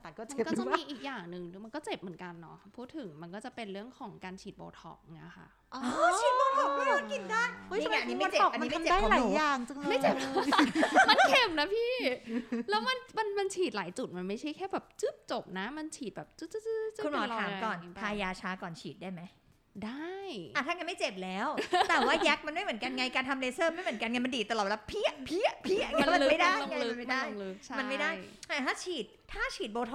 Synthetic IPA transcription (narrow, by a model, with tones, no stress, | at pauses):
kɔ˥˩m˧˨˩kɔː˥˩t̪ɔ˥˩m˧iː˧ʔiː˨˩k̚jaː˨˩ŋnɯ˨ŋma˧nkɔː˥˩t͡ɕe˨˩p̚mɯ˩˦ə˦nka˧nːɔ̰˦˥˩pʰuː˥˩t̪ʰːɯ˨˩˦ŋma˧nkɔː˥˩t͡ɕa˨˩pe˧nɾɯ˥˩əŋkʰɔː˩˦ŋkaː˧nt͡ɕʰiː˨˩t̪̚bo̰ː˧t̪ʰɔ̰˨˩k̚ŋa̰˧˩xʰa̰˥˩ | ʔɔ˧t͡ɕʰiː˨˩t̚boː˧t̪ʰɔ˧˩k̚ma˥˩ɔː˧˥nki˨˩t̪̚daː˥˩jo˥˩˧a˦a˧niː˦ba˥˧te˨˩ɔ˨˩kːʔna˧˦a˧m˨daː˥jlaː˨˦jjaː˨˩ŋt͡ɕɯ˧ŋma˥˩t͡ɕe˨˩˧ | ma˧nt̪ʰe˧mna˦˥pʰiː˥˩ | lɛː˦˥wma˧nma˧nma˧nt͡ɕʰiː˨˩t̪̚laː˩˦jt͡ɕu˨˩t̪̚ma˧nma˥˩jʰa˥˩jkʰɛː˥˩bɛː˨˩p̚t͡ɕɯ˦˥p̚t͡ɕo˨˩p̚na˦˥ma˧nt͡ɕʰiː˨˩bɛː˨˩p̚t͡ɕɯ˦˥ɯ˦˥kʰu˧nmɔː˨˦˧aː˨˩˦mkɔː˨˩np̪ʰaː˧jaː˧t͡ɕʰaː˦˥kɔː˨˩nt͡ɕʰiː˨˩t̪̚daː˥˩jma˦j | daː˥˩jaː˨˩t̪ʰaː˥˩ŋa˧nma˥˩jt͡ɕe˨˩p̚lɛː˨˦˥wt̪ɛː˨˩waː˥˩ja˦˥k̚ma˧nma˥˩jmɯ˩ə˦nka˧nŋa˧jkaː˧nt̪ʰa˧mleː˧˥sɤː˥˩ma˥˩jmɯ˩˦nka˧nŋa˧nma˧ndiː˨˩t̪a˧˩lːt̚wlːpʰi˥˩ɐpʰi˥˩ɐpʰi˥˩ɐ˩kma˧ma˥˩jdaː˥˩jka˧nma˥˩daː˧˥˩jlʰma˧nma˥˩jdaː˥˩jʔaː˨˩t̪ʰaː˥˩t͡ɕʰiː˨˩t̪̚ʰːaː˥˩t͡ɕʰiː˨˩t̪̚boː˧t̪ʰɔ˧